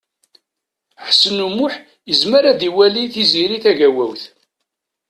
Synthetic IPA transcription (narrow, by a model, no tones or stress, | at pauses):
ħə̥sːənumʊħ | jəzməɾaðiwæliθiziɾiθæʝæwæwθ